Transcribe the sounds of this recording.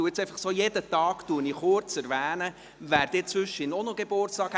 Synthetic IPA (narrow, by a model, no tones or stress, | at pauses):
uɪt͡sɛɪfɑχsoːjed̪ət̪ɑːɡt̪uːniχʊɾt͡sɛɾʋæːnə | ʋæːɾd̥̪eːt͡sʋʏʃːinɔnɔɡ̥eb̥ʊrtsɑːkh